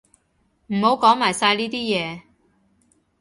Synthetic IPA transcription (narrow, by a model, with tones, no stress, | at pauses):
m̩˨˩ho˨˥wkɔː˨˥ŋmaː˨˩jsaː˧jliː˥t̪iː˥jɛː˨˧